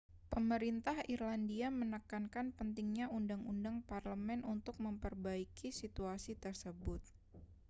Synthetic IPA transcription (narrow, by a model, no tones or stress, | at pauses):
pəməɾint̪ahirlandiamənəkankanpənt̪ɪŋɲaundaŋundaŋparləmɛnʔunt̪ʊk̚məmpərbaikisit̪uasit̪ərsəbʊt̪̚